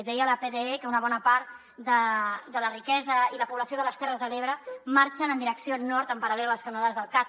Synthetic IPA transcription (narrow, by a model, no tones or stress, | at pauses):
ðɛjələpeðeekəunəβɔnəpaɾt̪̚ | d̪əd̪ələrikɛzəiləpuβləsioðələst̪ɛrəzðəleβɾəmaɾt͡ʃənənd̪iɾəksionɔɾt̪əmpəɾəlɛlləskənəðazðəlˠka